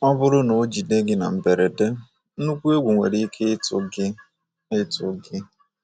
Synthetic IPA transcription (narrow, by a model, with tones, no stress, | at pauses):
ɔ˦bʊ˦ɾʊ˦no˨˦d͡ʒi˨de˦ɡɪ˦na̰˨m̩˨be˨ɾe˨de˦ | n̩˦nu˦kʷu˦e˦ɡʷu˨ŋʷḛ˨ɾi˦i˦kʰe˦ɪ˦tʊ̰˨ɡɪ˦ | ɪ˦tʊ̰˨ɡɪ˦